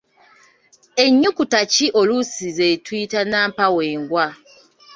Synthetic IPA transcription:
e̞ɲːukutaciʔolusizetwiːtanaːmpaweːŋɡwa

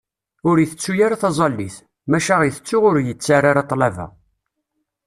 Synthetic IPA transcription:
ʊɾiθət͡sːujaɾaθɑzˤɑlːiθ | mæʃaʁjəθət͡sːuʁʊɾjət͡sːaraɾɑt̪ˤːlævæ̰

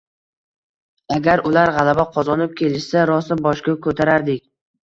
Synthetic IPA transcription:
aɡʲaɾʊlaɾʁɑlˠabaqʰɒzɒnɪp̚kʲʰe̞lɪʃsaɾɒsɪbɒʃkʲakʰɵt̪ʰaɾaɾd̪ɪkʲ

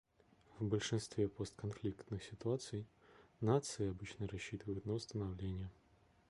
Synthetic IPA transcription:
vbɐlʲʂɨnst̪vʲɛpɔst̪̚kanflʲikt̪nɨxsʲit̪uat̪sɨjnat̪sɨjɪabɨt͡ɕnɐɾaɕːit̪ɨvəjut̪nɐwst̪ɐnawlʲenʲjɛ

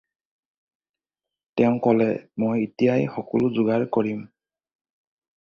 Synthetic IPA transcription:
tɛʊ̃kɔlɛ̰mojitijajxɔkɔlʊzʊɡaɹkɔɹim

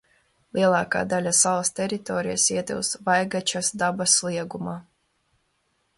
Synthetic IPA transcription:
lˠiɛlˠɑːka̰ːd̪alʲasalˠst̪ʲɛɾit̪ɔːɾijasiɛt̪ḭlsvajɡat͡ʃasd̪abaslˠiɛɡumaː

